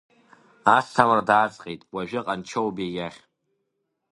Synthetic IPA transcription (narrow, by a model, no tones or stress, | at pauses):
astʰamrdaːt͡sʼqʲʼejtʼwaʒᶣɪqʼant͡ʃʰowbejaχʲ